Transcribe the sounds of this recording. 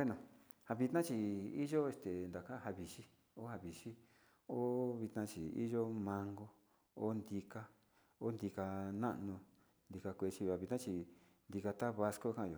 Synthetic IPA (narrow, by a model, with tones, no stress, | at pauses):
e˦nõ˨ | ha˧βi˧t̪nã˦t͡ʃi˧i˦ʒo˦e˧st̪e˨nd̪a˨ka˦˧ha˧βi˨ʃi˦ | o˦ha˧βi˨ʃi˦ | o˦βi˧t̪nã˧t͡ʃi˨ḭ˦ʒo˦mã˧ŋɡo˧ | o˦nd̪i˧ka˧ | o˦nd̪i˧ka˧nã̰˦ʔnũ˧ | nd̪i˧ka˧kʷe˧t͡ʃi˧o˧˨a˧βi˧t̪nã˦t͡ʃi˧ | nd̪i˧ka˧t̪a˦βa˧sko˦kã˦˧jo˨